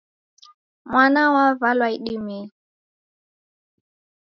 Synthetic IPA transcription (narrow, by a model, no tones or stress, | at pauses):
mwanawavalwaiɗimi